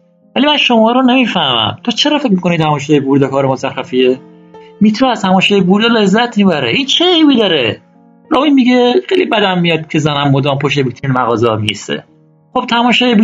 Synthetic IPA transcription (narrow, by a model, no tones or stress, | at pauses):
vælimænʃomɒːɾonemiːfæhmæ̰mt̪ʰot͡ʃʰe̞ɾɒːfecmiːko̞nit̪ʰæmɒːʃ̬ejebuɾd̪ekʰɒːɾemosæχæfie | mit̪ʰuɾæzt̪æmɒːʃejebuːɾd̪ɒle̞zːæt̪ʰmiːbæɾḛʔint͡ʃʰeejbid̪ɒːɾe | ɾɒːmimiɡexejlibæd̪æmːijɒd̪̚kʰezænæmːod̪ɒːmpʰoʃt̪ebit̪ʰinmæɣɒːzemḭḭsḛ | χob̥̚t̪ʰæmɒːʃɑːjebu